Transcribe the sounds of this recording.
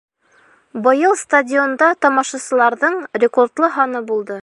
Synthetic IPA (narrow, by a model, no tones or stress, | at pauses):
bɤ̆jɤlˠst̪adʲiond̪ɑt̪ɒmɑʃɑsɤ̆lˠɑɾðɤɴrʲekort̪lˠɤɦɑnɤbulˠd̪ɤ